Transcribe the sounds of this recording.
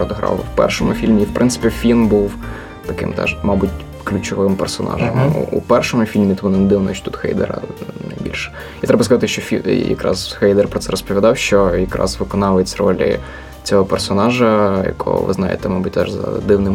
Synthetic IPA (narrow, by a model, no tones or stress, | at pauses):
ɔd̪ɦɾɑ̰lˠwpɛ̰rʃɔmʊfʲilʲmʲiiwpɾʔɪnsɪ̥pʲifʲilʲmbuw | t̪ɐkɪ̰mt̪ɛ̰ʃmɑbutʲ | klʲʊt͡ʃɔʋɪmpɛrsɔnɑ̰ʒɛm̰ṵpɛrʃɔmʊfʲilʲmʲit̪ʋɔnɛnd̪ɪwnɔ̰ʃt͡ʃt̪ut̪xɛ̰jd̪ɛ̰ɾɐ̰nɐjbʲḭlʲʃɛ̥ | it̪ɾɛbɐskɐzɑt̪ɪʃt͡ʃɔfʲijɐ̰kɾɑ̰zxɛjd̪ɛrpɾɔt̪sɛɾɔspɔʋʲid̪ɑwʃt͡ʃɔjɐkɾʔɑ̰zʋɪkɔnɑʋet͡sʲrɔ̰lʲɪ̰ | t͡sʲɔɦɔpɛrsɔnɑʒɐjɐ̰kʰɔ̰ʋɪ̰znɑjɪ̰t̪ɛmɑbut̚ʲt̪ɛʒzɐ̰d̪ɪwnɪm